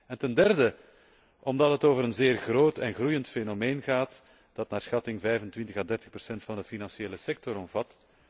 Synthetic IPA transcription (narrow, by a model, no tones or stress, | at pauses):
ɛntɛndɛrdə | ɔmdɑtɦətoːvəɾənzeːrɣroːtɛ̰nɣrujəntfenomeːnɣaːt | d̥ɑtnaːrsxɑtɪŋvɛjvəntʋɪntəɣaːdɛrtə̥xpərsɛntfɑndəfinɑnsjeːləsɛk̚tɔɾɔmvɑt